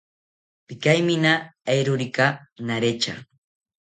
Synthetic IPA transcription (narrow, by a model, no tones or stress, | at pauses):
pɪkajmɪnaajɾʊɾɪkanaɾet͡ʃa̰